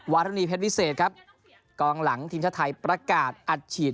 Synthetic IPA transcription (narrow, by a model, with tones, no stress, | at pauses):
wa˦˥t̪ʰːiː˧pʰe˦˥wi˦˥seː˨˩t̪̚kʰa˦˥p̚ | kɔː˧ŋla˩˦ŋt̪ʰiː˧mt͡ɕʰa˦˥t̪ʰa˧jpɾa˧kaː˨˩t̪̚ʔa˨˩t̪̚t͡ɕʰiː˨˩